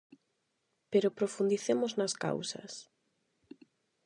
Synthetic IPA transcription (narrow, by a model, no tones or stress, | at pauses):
peɾopɾofund̪iθemʊznaska̰wsɐ̰s